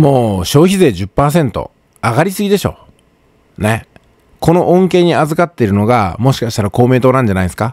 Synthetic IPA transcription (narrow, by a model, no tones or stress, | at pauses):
mo̞ːɕo̞ːçize̞ːd͡ʑɨpːaːs̬ẽ̞nt̪o̞̰ | aɡaɾʲisɨɡʲid̪e̞ɕo̞̰ː | ne̞ | kʰo̞no̞ʔõŋke̞ːɲ̟iazɨkat̪ːe̞ɾɯ̟no̞ɡamo̞ɕi̥kaɕi̥t̪aɾako̞ːme̞ːt̪o̞ːnãɲ̟d͡ʑanaisɨ̥ka